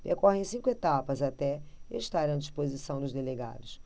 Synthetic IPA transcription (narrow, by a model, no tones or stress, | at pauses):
peɾkɔhẽj̃sĩŋkʊet̪apɐzat̪ɛeʃt̪aɾɐ̃d͡ʒiʃpozisɐ̃w̃d̪ʊzd̪eleɡa̰d̪ʊs